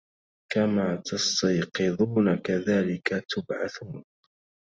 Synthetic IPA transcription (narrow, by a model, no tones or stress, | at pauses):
kamaːt̪ʰɑst̪ɑjqɨðˤuːnakaðaːlɪkat̪ʊbʕaθuːn